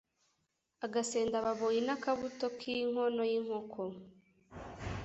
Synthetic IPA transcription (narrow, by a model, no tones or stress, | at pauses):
aɡase̞ːndaβaβojinakaβutokʰiiŋonojiŋ̥hokʰo